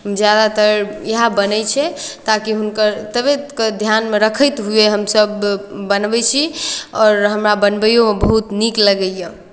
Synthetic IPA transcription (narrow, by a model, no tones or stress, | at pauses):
ɦəmd͡ʒjad̪at̪əɾjəɦabənət͡ʃʰɛt̪akiɦunkəɾt̪əbeked̪ʱjanmeɾəkʰəjt̪ɦueɦəmsəbːənbɛt͡ʃʰiɔːɾɦəmɾabənbəjomebəɦut̪nikləɡəjẽ